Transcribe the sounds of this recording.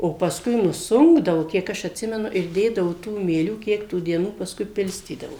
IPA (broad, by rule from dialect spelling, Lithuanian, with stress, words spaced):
oː pɐsˈkʊɪ nʊˈsʊŋɡdɐʋʊ ˈkʲiɛk ɐʃ ɐtʲˈsʲɪmʲɛnʊ ɪr ˈdʲeːdɐʋʊ ˈtuː mʲiɛˈlʲuː ˈkʲiɛk tuː dʲiɛˈnuː pɐsˈkʊɪ ˈpʲɪlʲsʲtʲiːdɐʋoː